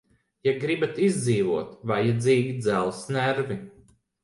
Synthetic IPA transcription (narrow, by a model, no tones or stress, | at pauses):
jaɡɾibat̪izd̪ziːvuɔt̪vajːad̪ziːɡʲid̪zælˠsnæɾvi